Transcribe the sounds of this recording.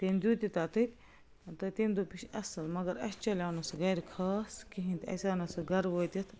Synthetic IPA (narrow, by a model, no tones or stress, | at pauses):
t̪eːnd̪ut̪ʲit̪at̪ʰɨt̪ʲ | t̪ɨt̪eːnd̪upiʃɐsɐlmɐɡɐɾɐ̰st͡ʃɐlʲaːwnɐsɨɣɐjɾkʰɐːskiɦĩnt̪ʰɐ̰saːnɐsɨɡɐɾʋoːt̪ʲit̪ʰ